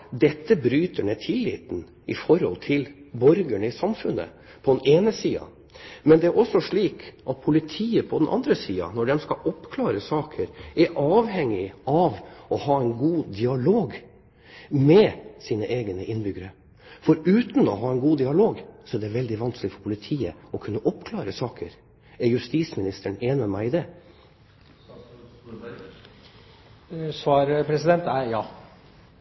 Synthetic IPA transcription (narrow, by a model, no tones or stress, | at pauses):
d̪ɛt̪ːəbɾyːt̪ʰəɳɛt̪ʰɪlːḭːt̪n̩ | ɪ̰fɔɾhɔ̰lt̪ʰɪlbɔɾɡəɳəɪsɑmfʉnːə̰ | pʰɔd̪ɛneːnəsiːɑ̰ | mɛnd̪ɛæɾʔɔsɔʂɭiːkʔɑt̪̚pʰʊlɪt̪ʰiːəpʰɔd̪ɛnʔɑ̰nd̪ɾəsiːɑ̰nɔɖɛmskɑʔɔpːkʰlɑːɾəsɑːkʰəɾæɾʔɑːʋhɛŋːɪɑʋɔhɑːɛɪnɡuːd̪ɪɑloːɡ | mɛsiːnəʔeːɡnəʔɪnbʏɡəɾə | fɔɾʉːt̪n̩ɔ̰ɦɑːɛɪnɡuːd̪ɪɑloːɡsɔɛɖ̪ɛʋɛld̪ɪʋɑnsklɪfɔɾpʰʊlɪt̪ʰiːə̰ɔkʰʉnːəʔɔpkʰlɑːɾəsɑːkʰəɾ | ɛɾjʉst̪iːsmɪnɪst̪ʰəɳeːnɪɑmæɪɪd̪ɛ | sʋɑːɾpʰɾɛsɪd̪ɛnt̪æjɑː